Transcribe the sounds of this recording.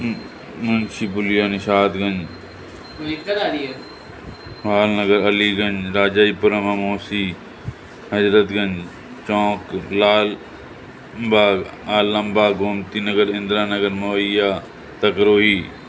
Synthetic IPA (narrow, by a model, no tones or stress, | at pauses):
mɐnʃiːpʊlɪjaːniʃaːt̪ɡə̃ɲd͡ʒ | ekɐɾaːɾie | ʋaːlnəɡəɾɐliːɡəɲd͡ʒɾaːd͡ʒaːiːpʊɾəmamoːsiː | ɦəd͡ʒɾət̪ɡɐ̃ɲd͡ʒ | t͡ʃɔ̃ːklaːl | mbaːɡaːlːə̃mbaːɡoːmt̪iːnəɡəɾɪ̃nd̪ɾaːnəɡəɾmoəjaː | t̪ɐkɾoːɦiː